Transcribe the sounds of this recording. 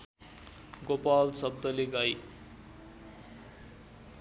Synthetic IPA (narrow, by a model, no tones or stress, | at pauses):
ɡopalsʌbd̪ʌleɡaj